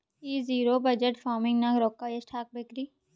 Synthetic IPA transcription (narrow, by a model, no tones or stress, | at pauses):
iːziːɾoːbɐd͡ʒəʈfaːɾmɪ̃ŋɡnakɾoːkːaesʈʰaːk̚bekɾi